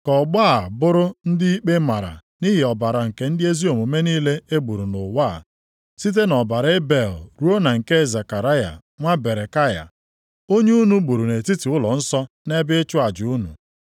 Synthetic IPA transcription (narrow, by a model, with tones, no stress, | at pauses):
kɔ˨ɡ͡baː˦˨bʊ˦ɾʊ˦n̩˦dɪ˦i˦k͡pe˦ma˨ɾa̰˨ | ni˦ɦi˨ɔ˨ba˨ɾa˨ŋ̩˨ke˨n̩˦dɪ˦e˦zi˦o˨mu˨˦me˦niː˦le˦e˦ɡ͡bu˨ɾu˨nʊ˨waː˦˨ | si˦t̬e˦nɔ˨ba˨ɾe˦be˨lɾu˦o˦na˨ŋ̩˨ke˦˨za˨ka˨ɾa˦ja̰˨ | ŋʷa˦be˨ɾe˨ka˦ja̰˨ | o˦ɲe˦u˦nu˨ɡ͡bu˨ɾu˨ne˨ti˦ti˨ʊ˦lɔ˨n̩˦sɔ˦ | ne˦bɪ˦e˦t͡ʃʊ˦a˨d͡ʒu˦nṵ˨